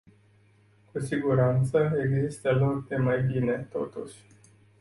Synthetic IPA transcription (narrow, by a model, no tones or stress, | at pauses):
kusiɡuɾant̪səeɡzist̪əlokd̪e̞majbine̞t̪o̞̰t̪ṵʃʲ